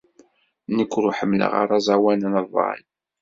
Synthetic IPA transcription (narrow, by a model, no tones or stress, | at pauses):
nəkʷːɾʊħəmːlə̰ʁa̰ɾˤɑzˤɑwænənəðˤɑ̰n